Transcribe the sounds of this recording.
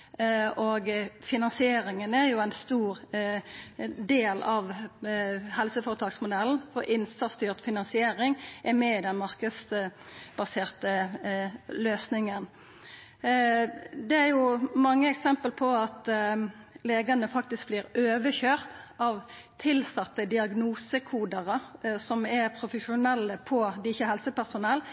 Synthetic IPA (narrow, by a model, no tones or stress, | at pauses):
oɡfɪnɑnsɪeːɾɪŋənæjʊæɪnst̪uːɾ | d̪eːlɑʋ | hɛlsəfɔːɾət̪ʰɑːksmʊd̪ɛln̩fɔɾʔɪnsɑst̪yːʁt̪fɪnɑnsɪeːɾɪŋʔɛmɛɪd̪ɛnmɑʁkəs | bɑseːʁt̪ə | løːsnɪŋən | d̪ɛæɾjʊmɑŋːəɛksɛmpəlpʰɔɑt̪ | leːɡɑnəfɑk̚t̪ɪsk̚bliːɾøːʋəçøːʁt̪ɑʋ | t̪ʰɪlsɑt̪ːəd̪ɪɑɡnuːsəkʰuːd̪əʁəsɔmɛɾpʰɾʊfəʂʊnɛlːəpʰɔd̪ɪçəhɛlsəpæʁsʊnɛlː